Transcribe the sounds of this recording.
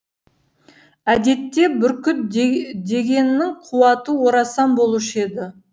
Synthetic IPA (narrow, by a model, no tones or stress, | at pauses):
æd̪e̞t̪ːe̞bɪɾkʲʰʏt̪̚d̪e̞ɡʲe̞nɪːɪŋqʰuwɑt̪əwoɾɑsɑmbo̞lˠuʃe̞d̪ɪ